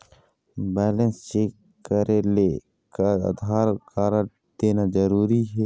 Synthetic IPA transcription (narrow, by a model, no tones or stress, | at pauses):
bɛːlənst͡ʃeːkː | əɾʔele | kaə̰d̪ɦaːɾkaːɾə | d̪̥eːnad͡ʒəɾuːɾiɦeː